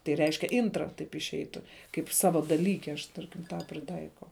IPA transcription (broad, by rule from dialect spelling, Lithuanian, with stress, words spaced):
tɐɪ ˈrʲɛɪʃʲkʲɛ ˈɪntrɐ tɐɪp ɪʃʲˈɛɪtʊ kɐɪp ˈsɑːʋɐ dɐˈlʲiːkʲɛ ɐʃ ˈtɐrʲkʲɪm tɑː pʲrʲɪˈtɐɪkɐʊ